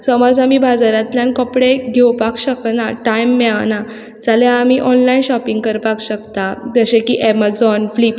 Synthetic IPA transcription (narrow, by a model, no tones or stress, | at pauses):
səmɔd͡zamiːbʱad͡zaɾãt̪ljankɔpɽeɡʱewpakɕəknaʈajmːɛɭana | d͡zalaamiʔɔnlainɕɔpĩŋɡkəɾpakɕəkt̪ad͡z̪əɕekiːʔɛmad͡zɔnflip